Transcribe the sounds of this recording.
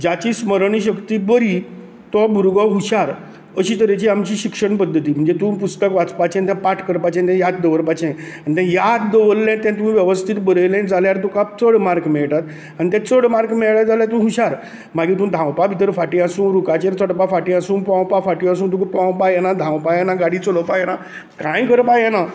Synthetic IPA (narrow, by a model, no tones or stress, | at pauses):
d͡ʑat͡ɕiːsməɾɳiːɕ̬əkt̪iːbəɾi | t̪ɔbuɾɡɔɦuɕaɾ | əɕiːt̪əɾet͡ɕiːamt͡ɕiːɕikʂəɳpəd̪ʱːət̪iːm̤əɳd͡zet̪ũːpust̪əkʋat͡spat͡ɕɛ̃nt̪̬jɛ̃paʈʰkəɾpat͡ɕɛ̃nt̪ɛ̃jad̪̚d̪əʋəɾpat͡ɕʰɛ̃ | anit̪ɛ̃jad̪d̪əʋəllɛ̃t̪ɛ̃t̪um̤ĩʋjəʋəst̪ʰit̪bəɾəjlɛ̃d͡zaljaɾt̪ũkat͡səɽmaɾkmeɭʈ̪at̪ | añit̪ɛ̃t͡səɽmaɾkmɛɭɭad͡zaljat̪ũɦuɕaɾ | maɡiːt̪ũd̪ʱãwpabit̪̬əɾfaʈĩasũːnɾukat͡ɕẽnt͡səɽpafaʈĩasũːnpãw̃pafaʈias̬ũːnt̪ukupãwpajɛnad̪ʱãwpajɛnaɡaɽit͡soləpajena | kãjkəɾpajɛna